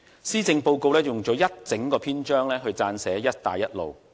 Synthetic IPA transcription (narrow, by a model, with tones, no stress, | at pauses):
siː˥t͡sɪ˧ŋpo˧wko˧wlɛː˥jʊ˨ŋt͡ʃɔː˨˧jɐ˥t̚t͡sɪ˨˥ŋkɔː˧pʰiː˥nt͡ʃœː˥ŋlɛː˥ɦɵ˧ɥt͡saː˧nsɛː˨˥jɐ˥t̚t̪aː˨jːɐ˥t̚lo̰˨w